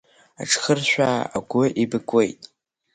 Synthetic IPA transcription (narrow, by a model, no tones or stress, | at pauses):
a̰ʈ͡ʂʰʼχərʃᶣaːa̰ɡʷʊʔibɨkʷʼwe̞jtʼ